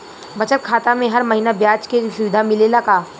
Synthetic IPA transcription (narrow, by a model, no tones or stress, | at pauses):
bɐt͡ʃət̪̚kʰaːt̪amẽɦɐɾmɐɦiːnabjaːt͡ʃkeʃʊʋɪd̪ʱamɪlelɐɡaː